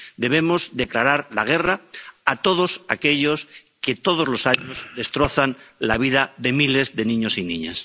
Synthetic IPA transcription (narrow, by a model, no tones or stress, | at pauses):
d̪e̞β̞e̞mo̞zðe̞klaɾaɾlaɣ̞e̞raat̪o̞ð̞o̞sa̰ke̞ʎo̞sket̪o̞ð̞ozlo̞saɲozðe̞st̪ɾo̞θanlaβ̞iðaðe̞mile̞zðe̞nĩɲo̞sinĩɲas